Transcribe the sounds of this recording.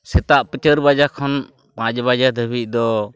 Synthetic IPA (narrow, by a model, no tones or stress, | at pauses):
sɛt̪aʔpət͡ʃəɾbad͡ʒakʰɔn | pãt͡ʃbad͡ʒad̪ʱəbic̚ˀd̪ɔ